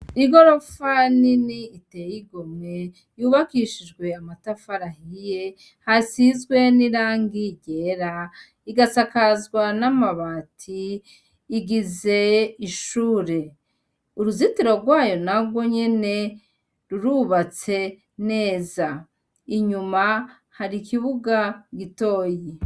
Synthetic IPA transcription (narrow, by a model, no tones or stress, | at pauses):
iɡo̞ɾo̞faniniːtejiɡome | juːβakiʃid͡ʒɡwe̞amatafaɾahije̞ | hasizɡwe̞niɾaːŋɡiɟeɾa | iɡasakazɡwanamaβaːtʰiː | ɡize̞iʃuːɾe̞ | uɾuzitiɾo̞ɾɡwaːjo̞naɡɡwo̞ɲe̞ne̞ | ɾuɾuβat͡se̞ | ne̞ːza | iɲuma | haɾikʰiβuɡaɡito̞ːji